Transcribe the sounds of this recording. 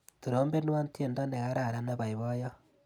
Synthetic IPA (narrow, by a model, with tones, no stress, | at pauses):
tu˨ɾoː˨˦mbe˦n˦wa˦nti˦e˨nda˦ne˨ɣa˦ɾa˦˨ɾa˦na˦βa˨i˨βo˦ja˦